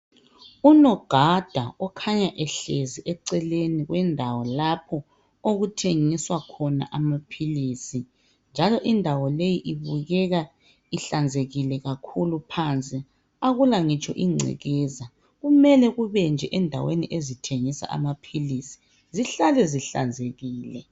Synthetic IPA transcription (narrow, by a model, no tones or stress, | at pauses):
unɔɡ̥ʱad̥ʱaɔkʰaɲaʔɛɬeziʔɛǀɛleniɣwʔɛndʱawɔlapʰɔ | oɣutʰeŋiswakʰɔna̰ʔamapʰiliːsi | nd͡ʒʱalɔʔindʱawɔlejiʔiβuɣɛɣa | iɬand͡zʱeɣilɛɣakʰulupʰant͡sʼi | aɣulaŋit͡ʃʰʼɔʔiŋ͡ǀʱɛ̰ɣɛza | ɣumɛlɛɣuβɛnd͡ʒʱɛʔɛndʱa̰wḛniʔezitʰeŋisa̰ʔa̰mapʰilisi̥ | ziɬalɛziɬa̰nd͡zʱeɣiːlɛ